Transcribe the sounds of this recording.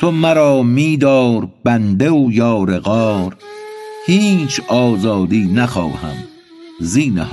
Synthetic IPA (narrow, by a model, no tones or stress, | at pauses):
t̪ʰomæɾɒːmiːd̪ɒːɾb̥ænd̪eojɒːɾeɣɒːɾhiːt͡ʃʰɒːzɒːd̪iːnæxɒ̰ːhæ̰m | ziːnḛh